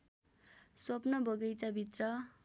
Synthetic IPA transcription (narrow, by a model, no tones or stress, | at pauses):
sʌpnʌbʱʌɡʌjt͡sabʱit̪rʌ